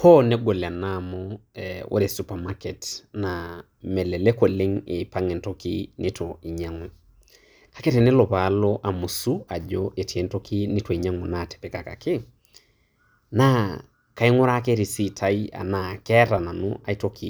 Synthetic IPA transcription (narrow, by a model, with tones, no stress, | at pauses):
kʰɔ˦ne˦ɡo˨lɛ˨a˨na˦mɔɛwʔo̰˦ɾe˨supa˨ma˦kɛ˨tna˨ | mɛ˨lɛ˨le˦ko˨le˦ŋɪ˨pa˦ŋe˨nto˦kḭ˦nʔɪ˦tʰɔi˨ɲa˨ŋɔ˨ | kḁ˨ke˦tɛ˨nɛ˦lɔ˨pa˨˦lɔ˦ʔa˨mu˨su˦a˨d͡ʒoʔe˨ti˨e˨n˦to˦ki˦nɪ˦to˨i˨ɲa˦ŋo˨na˨tɛ̥˨pɛ˨ka˨ka̰˨kɪ˦ | na˦ | ka˨i˦ŋɔ˦ɾa˦ke˦ɾi˨si˦tʰa˦i˦a̰˨na˨kɛ˦ɾa˨na˨nṵ˦ʔa̰˨i˦to˦kʰi˨